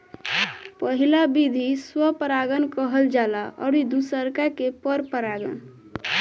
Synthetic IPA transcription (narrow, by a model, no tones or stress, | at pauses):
pəɦilabid̪ʱiswəpəɾaɡənkəɦəld͡ʒalaʔɔ̰ɾid̪usəɾkakepəɾpəɾaɡə̰n